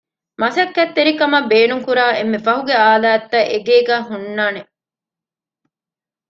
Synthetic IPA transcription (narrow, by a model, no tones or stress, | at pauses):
mɐsɐkːɐt̪ːeɾikɐmɐbeːnuŋkuɾaːʔemːefɐɦuɡeaːlaːt̪ːɐʔeɡeːɡæːɦunːaːne